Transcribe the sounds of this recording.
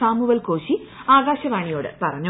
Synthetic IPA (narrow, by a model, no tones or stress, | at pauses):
aːmuʋɐlkoːɕi | aːɡaːɕɐʋaːɳijo̞ːɽɨ̰pɐrɐɲːu